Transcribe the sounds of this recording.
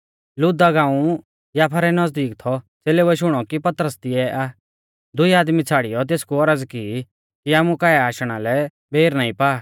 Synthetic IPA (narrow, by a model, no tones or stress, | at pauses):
lʊd̪aɡãːũ | jaːpʰaɾɛnɐd͡zd̪iːkt̪ʰɔ | t͡seːlɛʊɛʃʊɽ̃ɔkipɐt̪ɾəst̪iɛʔaː | d̪ʊiaːd̪mit͡sʰaːɽijɔt̪̬eːskuɔɾəd͡zki | kiaːmukaːɛaːʃɽ̃alɛ | bʱeːɾnaːĩpaː